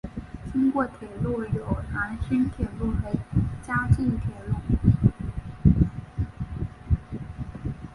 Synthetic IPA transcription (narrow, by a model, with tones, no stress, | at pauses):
t͡ɕi˥ŋkwɔ˥˩t̪ʰjɛ˨˩lu˥˩jo˨˩ʊna˧˥nɕə˥nt̪ʰjɛ˨˩lu˥˩xe˧˥t͡ɕja˥t͡ɕi˥˩nt̪ʰjɛ˨˧˩lu˥˩